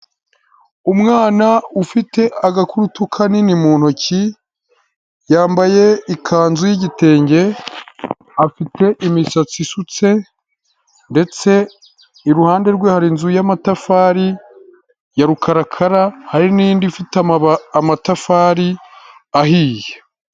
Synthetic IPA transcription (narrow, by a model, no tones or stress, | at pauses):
umŋaːnaufite̞aɡakuɾutukʰaninimuːn̥hoci | jaːmbaje̞ikʰaːnzujiɟite̞ːɲɟe̞ | afite̞ʔimisat͡sisut͡se̞ | nde̞t͡se̞ | iɾuhaːnde̞ɾɡweːhaɾinzujamatafaːɾi | jaɾukʰaɾakʰaɾahaɾiniːndifitamatafaːɾi | aɦiːje